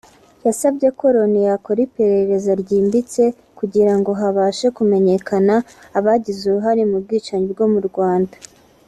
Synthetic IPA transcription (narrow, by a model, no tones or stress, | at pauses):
jasabɟe̞ko̞ɾo̞nijako̞ɾipe̞ɾe̞ɾe̞zoɾɟiːmbit͡se̞ | kuɟiɾaŋɡo̞ɦaβaːʃe̞kume̞ɲe̞kʰanaːβaɟizuɾuɦaɾimub̚ɡiːt͡ʃaɲiɾɡo̞muɾɡwaːnda